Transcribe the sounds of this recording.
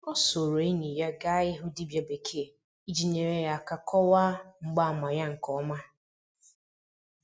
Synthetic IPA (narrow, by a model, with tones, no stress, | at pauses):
ɔ˦so˨ɾo˨e˦ɲi˨ja˦ɡa˦ɪ˦ɦʊ˦di˦bja˨be˨kʰe˦˨ | i˦d͡ʒi˨ɲe˨ɾe˨˦ja˦˨ka˨kʰɔ˦wa˦ŋ͡m̩˨ɡ͡ba˦a˨ma˨ja˦ŋ̩˨kɔ˦ma˦